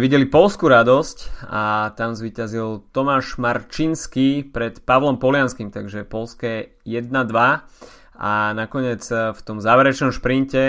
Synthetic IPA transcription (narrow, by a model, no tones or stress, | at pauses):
ʋiɟɛlipɔlskuɾad̪ɔscat̪amzʋiːcazilt̪ɔmaːʃmaɾt͡ʃinskipɾɛt̪paʋlɔmpɔlɪanskimt̪aɡʒɛpɔlskɛ | jɛd̪̚nad̪ʋa | anakɔɲɪɛd͡zft̪ɔmzaːʋɛɾɛt͡ʃnɔmʃpɾincɛ